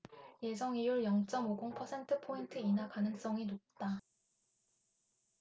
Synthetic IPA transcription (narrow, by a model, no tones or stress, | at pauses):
je̞sʰʌŋijuɭjʌŋt͡ɕ͈ʌmoɡoŋpʰʌsʰe̞ntʰɯpʰointʰɯinakanɯŋs͈ʌŋinot̚t͈a